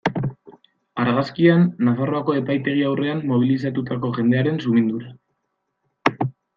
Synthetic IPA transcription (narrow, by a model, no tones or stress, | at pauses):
aɾɣaskianːafaro̞ako̞e̞pajt̪e̞ɣ̞iawre̞anːo̞β̞ilis̬at̪ut̪ako̞ʝe̞nd̪e̞aɾe̞nsumind̪uɾa